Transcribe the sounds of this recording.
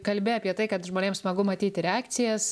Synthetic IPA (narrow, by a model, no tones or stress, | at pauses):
kɐlʲbʲeɐpʲiɛt̪ɐɪkɐt̪ʒmoːnʲeːmsmɐɡʊmɐt̪ʲiːt̪ʲɪɾʲɛaːkt̪sʲɪjɛs